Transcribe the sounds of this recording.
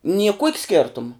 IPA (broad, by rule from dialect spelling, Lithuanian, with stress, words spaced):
nʲiɛ kuɔkʲ ˈsʲkʲeːrtʊm